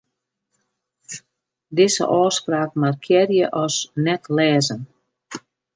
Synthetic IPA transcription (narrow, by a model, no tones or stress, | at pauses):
dɪzə̰ʔɔːspraːkmarkʰjɛrjəʔɔsnɛtʰlɛːzən